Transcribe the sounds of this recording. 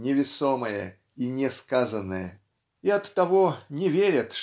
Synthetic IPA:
nʲɪvʲɪsoməjə̰ | inʲɪskazənːəjə | iɐt̪ːɐvonʲɪvʲeɾʲət̪ʂ

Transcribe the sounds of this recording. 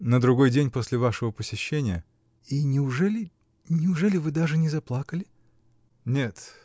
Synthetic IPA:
nəd̪ɾʊɡo̞jdʲenʲpo̞sʲlʲɪvaʂɨvəpəsʲɪɕːenʲɪjə | inʲɪʊʐɛlʲɪ | nʲɪʊʐɛlʲɪvɨd̪aʐɨnʲɪzɐplˠakəlʲɪ | nʲet̪

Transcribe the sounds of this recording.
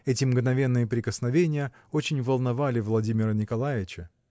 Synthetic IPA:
ɛtʲɪmɡnɐvʲe̞nːɨjəpɾʲɪkəsnɐvʲenʲɪjə | o̞t͡ɕɪnʲvəlˠnɐvalʲɪvlˠɐdʲimʲɪɾənʲɪkɐlˠajʲɪt͡ɕə

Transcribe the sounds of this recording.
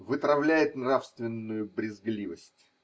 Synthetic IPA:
vɨt̪ɾɐvlʲæjɪt̪nrafst̪vʲɪnːʊjʊbɾʲɪzɡlʲivəsʲtʲ

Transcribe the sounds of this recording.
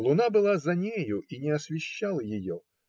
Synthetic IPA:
lˠʊnabɨlˠazɐnʲejʊʔinʲɪɐsvʲɪɕːalˠəjɪjo

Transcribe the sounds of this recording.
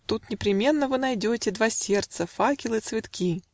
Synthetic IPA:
t̪ut̪nʲɪpɾʲɪmʲe̞nːəvɨnɐjdʲotʲɪd̪vasʲe̞rt̪səfakʲɪlˠɨt̪svʲɪt̪kʲi

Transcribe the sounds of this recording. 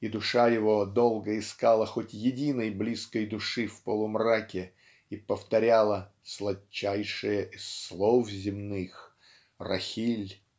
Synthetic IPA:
id̪ʊʂajɪvo̞d̪olˠɡəɪskalˠəxotʲjɪdʲinəjblʲiskəjd̪ʊʂɨfpəlˠʊmrakʲɪ | ipəft̪ɐɾʲalˠə | slˠɐt͡ɕːæjʂɨjəʔɪsːlˠofzʲɪmnɨx | rɐ̰xʲilʲ

